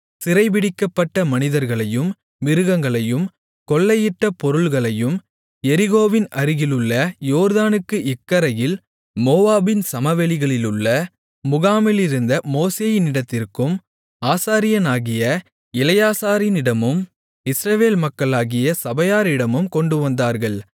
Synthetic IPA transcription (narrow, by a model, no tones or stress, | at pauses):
sɪɾɐɪʋɪɽɪkːɐpːɐʈːɐmɐnɪðɐɾɣɐɭɐjɯm | ʋɪɾɯɣɐŋɡɐɭɐjɯm | kɔɭːɐjɪʈːɐpɔɾɯɭɣɐɭɐjɯm | ɛɾɪɣoːʋɪnʔɐɾɪɣɪlɯɭːɐjoːɾðaːnɯkːɯʔɪkːɐɾɐjɪl | moːaːbɪnsɐmɐʋɛɭɪɣɐɭɪlɯɭːɐ | mʊɣaːmɪlɪɾɯnd̪ɐmoːseːjɪnɪɽɐt̪ːɪrkɯm | aːsaːɾɪjɐnaːɣɪjɐ | ɪlɐjaːsaːɾɪnɪɽɐmɯm | ɪsɾɐʋeːlmɐkːɐɭaːɣɪjɐsɐbɐjaːɾɪɽɐmɯmkɔɳɖɯʋɐnd̪aːɾɣɐɭ